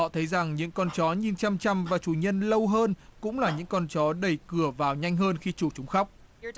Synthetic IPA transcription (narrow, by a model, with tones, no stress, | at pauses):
ɔ̰˧˨t̪ʰə˨˦jza˨˩ŋɲɨ̰˧˥ŋkɔ˧nt͡ɕɔ˨˦ɲi˨˩nt͡ɕa˧mt͡ɕa˧mvaː˨˩t͡ɕu˧˩ɲə˧nlə˧wɦəː˧nkʊ̰˧˥ŋ͡mlaː˨˩ɲɨ̰˧˥ŋkɔ˧nt͡ɕɔ˨˦ɗə˧˩jkɨ˧˩əvaː˨˩wɲa˧jŋ̟ɦəː˧nxi˧t͡ɕu˧˩t͡ɕʊ˨˦ŋ͡mxa˦˥wk͡p̚